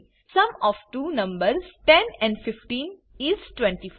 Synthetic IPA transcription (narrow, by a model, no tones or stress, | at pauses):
sʌ̃mɔʋʈuːnʌ̃mbəɾsʈɛ̃nɛ̃ɳɖfɪfʈĩnɪzʈwɛ̃ɳʈif